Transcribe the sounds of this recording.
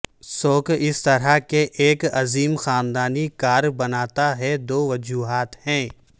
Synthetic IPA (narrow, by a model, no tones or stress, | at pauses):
soːkɪst̪ɐɾakeʔeːkɐziːmxaːnd̪aːnikaːɾbɐnaːt̪aɦɛd̪oːʋɐd͡ʒuːɦaːt̪hɛ̃ː